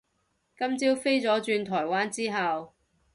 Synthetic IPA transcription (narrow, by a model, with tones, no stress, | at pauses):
kɐ˥mt͡siː˥wfe˥jt͡sɔː˨˥t͡ʃyː˧nt̪ʰɔː˨˩jwaː˥nt͡siː˥ɦɐ˨w